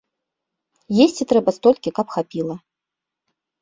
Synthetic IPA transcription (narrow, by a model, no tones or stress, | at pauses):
jesʲt͡sʲit̪ɾɛbɐst̪ɔlʲkʲikɐpxapʲilˠɐ